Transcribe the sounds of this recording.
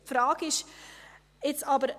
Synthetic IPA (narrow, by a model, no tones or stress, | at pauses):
fɾaːkɪʃ | ɪt͡sɑːbəɾ